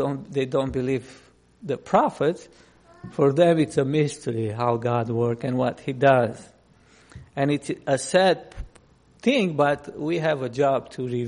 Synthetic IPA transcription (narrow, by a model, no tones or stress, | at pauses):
õʊ̃nðeɪdõʊ̃nb̥ɨliv | ðɨpʰɹ̥ɑfɨts | fɔɹðɛ̃mɨtsəmɪstʰə˞iɦaʊɡɑd̚wɜ˞kɨ̃nwʌt̚hidʌz | ɨ̃nɨtsəsæd̪̚ | θɪ̃ŋbʌtwiɨvəd͡ʒɑb̚tʰɨɹi